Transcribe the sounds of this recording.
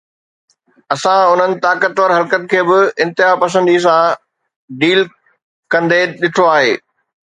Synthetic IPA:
ɐsãʊn̤ənɪ̆t̪aːkət̪ʋəɾɦɐlkət̪kʰeːbɪɪ̃nt̪ɪɦapɐsə̃nd̪isã | ɖiːl | kɐ̃nd̪eɗɪʈʰoaːɦeː

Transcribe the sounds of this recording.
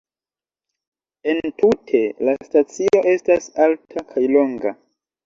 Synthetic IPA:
e̞ntutʰe̞lastat͡sio̞ʔe̞stasaltʰakʰajlo̞ŋɡa

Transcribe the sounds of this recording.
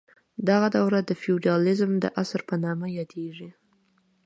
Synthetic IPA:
d̪aɣad̪awɾad̪əfiuɖiɑlɪzmd̪ə̰ʔasaɾpənɑmajɑd̪eʐi

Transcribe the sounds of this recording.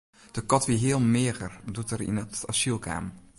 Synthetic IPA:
d̥əkɔtʋiɦiːəlˠmɪəɣərdutərḭnətasilˠkʰa̰ːm

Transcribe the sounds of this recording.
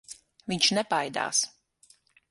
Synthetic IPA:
viɲʃnɛpajd̪a̰ːs

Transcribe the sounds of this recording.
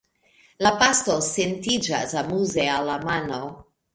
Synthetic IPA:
lapastosentid͡ʒa̰samuzealːamano

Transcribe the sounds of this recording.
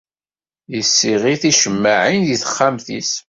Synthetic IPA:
jəsːiʁiθiʃəmːaʕinðiθə̥χːamθḭs

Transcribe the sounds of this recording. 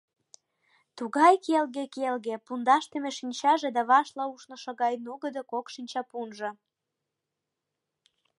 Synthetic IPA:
t̪uɣɑjkelɣekelɣepund̪ɑʃt̪ĕmeʃinʲt͡ɕɑʒed̪ɑβɑʃlɑuʃnŏʃɤ̆ɣɑjnuɣəd̪okokʃinʲt͡ɕɑpunʒɤ̆

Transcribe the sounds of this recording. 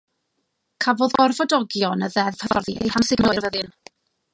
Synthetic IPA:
kʰavoðɔrvɔdɔɡjɔnəðɛðhəvɔrðiḛjhamsɪɡməɔrvəðɨn

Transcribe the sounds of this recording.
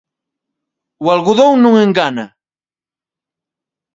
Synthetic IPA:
walɢʊðownʊŋeŋɡana

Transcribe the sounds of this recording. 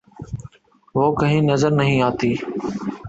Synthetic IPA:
ʋoːkəɦĩːnəzəɾnəɦĩːaːt̪iː

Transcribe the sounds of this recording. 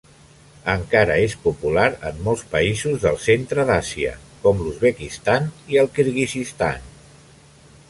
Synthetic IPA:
əŋkaɾə̰espupulaɾə̰mːɔlˠspəizuzðəlˠsent̪ɾəðasiə̰kɔmluzβəkist̪aniəlˠkiɾɣizist̪a̰n

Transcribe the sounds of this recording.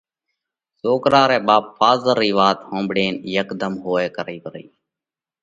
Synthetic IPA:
soːkɾaːɾeːɓaːpfaːzəɾːiːʋaːt̪hõːmbɽeːnjəkd̪əmɦoːeːkəɾiːbɾḭː

